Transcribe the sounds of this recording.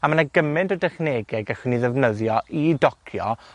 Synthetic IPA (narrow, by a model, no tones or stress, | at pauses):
amənaɡəmɪntɔdɛχneːɡɛɡaχwɪniðɛvnəðjɔʔidɔkʰjɔ̰